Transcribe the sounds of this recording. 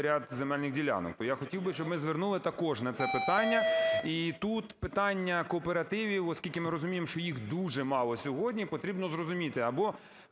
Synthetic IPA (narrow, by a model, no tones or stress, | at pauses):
ɾʲad̪zemɛlʲnɪxdʲilʲa̰nɔ̰k̚t̪ɔjaxɔtʲiwbɪʃt͡ʃɔbmɪzʋernulˠɪt̪ɐkɔʒnɐt̪sɛpɪt̪ɑnʲːɐit̪ut̪pɪt̪ɑnʲːɐkɔːpeɾɐt̪ɪʋʲiwɔskʲilʲkʲɪmɪɾɔzʊmʲijemʃt͡ʃɔjixd̪uʒɛmɑlˠɔsʲɔɦɔdʲnʲipɔt̪ɾʲibnɔzrɔzʊmʲit̪ɪɐbɔ